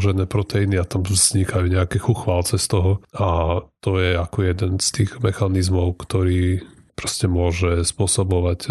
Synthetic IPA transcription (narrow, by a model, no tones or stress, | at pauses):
ʒɛnɛːpɾɔt̪ɛiniat̪amz̥ɲikʰajuɲɛakɛxuxʋalt͡sɛst̪ɔɦɔat̪ɔjɛakɔjɛd̪ɛnst̪iːɣmɛxanizmɔʊkt̪ɔɾiː | pɾɔscɛmʊɔʒɛspʊɔsɔbɔʋac